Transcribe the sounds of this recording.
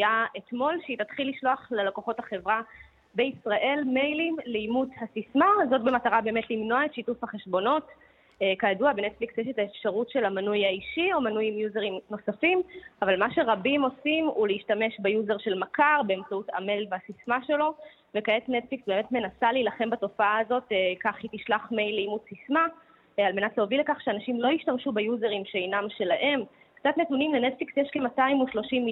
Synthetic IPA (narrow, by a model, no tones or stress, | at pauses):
jaetmo̞lʃitat̪χilːiʃlo̞aχlelakoχo̞taχe̞vʁa | beisʁaʔe̞lme̞jlimleimuthasismazo̞t̚be̞mataʁabe̞ːmetlimno̞aetʃitufhaχeʃbo̞no̞t | ekajaduabenetfliksjeʃetaefʃaʁutʃe̞lamanujaiʃio̞manujimjuzeʁimno̞safimavalmaʃe̞ʁabimo̞simuleiʃtame̞ʃbejuzeʁʃe̞lmakaʁbe̞ːmt͡sauta̰melveasismaʃe̞lo̞ | ve̞kaetnetfliksbe̞ːmetme̞nasaleilaχe̞mbato̞faaːzo̞tekaχitiʃlaχme̞jlimusisma | almenatleovilekaχʃeanaʃimlo̞iʃtamʃubejuzeʁimʃejnamʃe̞laʔe̞m | kt͡satnetunimlenetfliksjeʃkemataimuʃlo̞ʃim